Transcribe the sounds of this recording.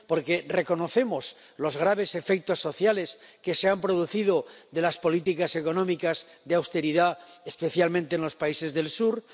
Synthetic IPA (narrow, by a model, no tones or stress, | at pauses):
po̞ɾke̞re̞ko̞no̞θe̞mos | lo̞zɣ̞ɾaβ̞e̞se̞fe̞k̚t̪o̞sːo̞θjale̞ske̞se̞ampɾo̞ð̞uθiðo̞ðe̞laspo̞lit̪ikase̞ko̞nõmikaz | ðeawst̪e̞ɾiðaespe̞θjalmẽnt̪eːnlo̞spaise̞zðe̞lsuɾ